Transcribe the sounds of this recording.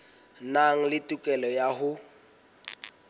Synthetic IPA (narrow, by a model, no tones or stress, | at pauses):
naŋ̩lɪtʼukʼɛlɔjaɦʊ